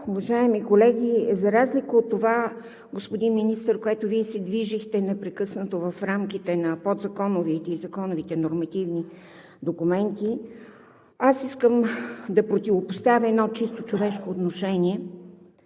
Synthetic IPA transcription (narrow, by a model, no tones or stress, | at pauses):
ʊvɐʒaɛmikolɛɡʲizɐɾazlikəot̪ːova | ɡospod̪inminist̪əɾkoɛt̪ʊviɛsɛd̪viʒixt̪ɛnɛpɾɛkɤsnət̪ovəfɾamkit̪ɛnɐpod̪zɐkɔnʊvit̪izɐkɔnʊvit̪ɛnoɾmɐt̪ivni | d̪okumɛnt̪i | asiskəmd̪ɐpɾot̪ʲivopost̪avʲɐɛd̪nɔt͡ʃist̪ot͡ʃovɛʃkoːt̪noʃɛniɛ